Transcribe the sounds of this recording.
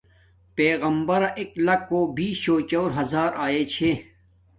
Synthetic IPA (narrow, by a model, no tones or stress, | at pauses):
peːɣɐmbɐɾaʔeklɐkːoːbiːɕoːt͡ɕoːɾɦɐzaːɾaːeːt͡ɕʰe